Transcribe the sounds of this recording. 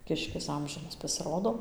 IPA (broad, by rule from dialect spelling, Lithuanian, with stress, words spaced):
ˈkʲɪʃʲkʲɪs ˈɐmʲʒʲɪnɐs pɐsʲɪˈroːdoː